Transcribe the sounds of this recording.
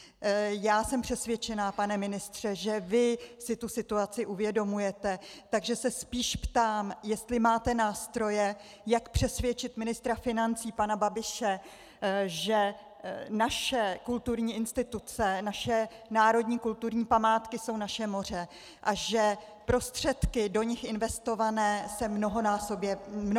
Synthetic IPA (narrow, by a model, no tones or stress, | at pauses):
jaːsɛmpr̝̥ɛsvjɛt͡ʃɛnaːpanɛmɪnɪst̪r̝̥ɛʒɛvɪsɪt̪usɪt̪uat͡sɪʔuvjɛdo̞mujɛt̪ɛt̪aɡʒɛsɛspiːʃpt̪aːmjɛst̪lɪmaːt̪ɛnaːst̪ɾo̞jɛ | jakpr̝̥ɛsvjɛt͡ʃɪt̪mɪnɪst̪ɾafɪnant͡siːpanababɪʃɛ | ʒɛ | naʃɛkult̪uɾɲiːɪnst̪ɪt̪ut͡sɛnaʃɛnaːɾo̞dɲiːkult̪uɾɲiːpamaːt̪kɪso̞wnaʃɛmo̞r̝ɛ | ʔaʒɛ | pɾo̞st̪r̝̥ɛt̪kɪdo̞ɲɪxʔɪnvɛst̪o̞vanɛːsɛmno̞ɦo̞naːsobjɛmn